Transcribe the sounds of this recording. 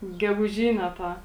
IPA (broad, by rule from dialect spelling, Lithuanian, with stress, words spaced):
ɡʲɛɡʊˈʒʲiːnʲɛ ˈtɑː